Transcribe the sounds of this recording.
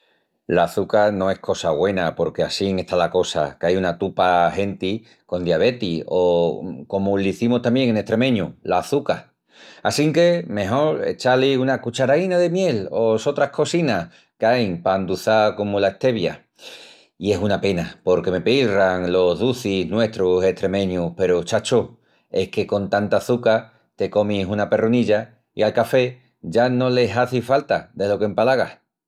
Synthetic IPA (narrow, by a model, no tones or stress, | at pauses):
laːθukanõ̞e̞hkʰo̞saɣwe̞napo̞ɾke̞asiŋe̞st̪alako̞sa̰kajunat̪upahe̞nt̪i | ko̞nd̪jaβ̞e̞t̪ioko̞moliθimost̪ambje̞ŋene̞ht̪ɾe̞mẽ̞ɲulaːθuka | asiŋke̞mẽ̞ɦo̞ɾḛt͡ʃaliunakut͡ʃaɾainaðe̞mje̞lo̞so̞t̪ɾahko̞sina | kajŋpand̪uθako̞molae̞ht̪e̞βja̰ | ie̞sunape̞napo̞ɾke̞me̞piraŋlo̞ɦðuθiznwe̞t̪ɾose̞ht̪ɾe̞mẽ̞ɲuhpe̞ɾot͡ʃat͡ʃo | e̞hke̞ko̞nt̪ant̪aːθuka | t̪e̞ko̞misunape̞runiʎa | ḭalkafe̞ | ʝano̞le̞saθifalt̪aðe̞lo̞ke̞mpalaɣ̞a̰